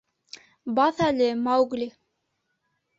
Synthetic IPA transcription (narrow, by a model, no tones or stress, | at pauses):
bɑθælɘmɑwɡli